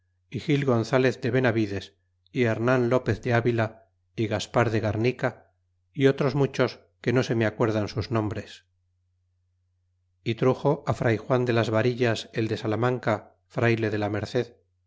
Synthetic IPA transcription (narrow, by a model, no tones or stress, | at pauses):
ixilɣo̞nθale̞θd̪e̞βe̞naβiðe̞s | ieɾnanlo̞pe̞θd̪eaβila | iɣaspaɾðe̞ɣaɾnika | io̞t̪ɾo̞zmut͡ʃo̞s | ke̞no̞se̞meakwe̞ɾðansuznõ̞mbɾe̞s | it̪ɾuxo̞ʔafɾʔajxwand̪e̞lazβaɾiʎase̞ld̪e̞salamãŋka | fɾajle̞ðelame̞ɾθe̞ð